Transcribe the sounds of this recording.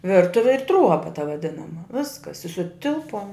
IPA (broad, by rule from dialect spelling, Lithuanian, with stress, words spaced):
ˈʋʲɪrtʊʋʲɪ ɪr ˈtruɔbɐ tɐ ʋɐˈdʲɪnɐmɐ ˈʋʲɪskɐs ɪ sʊˈtʲɪlˠpuɔm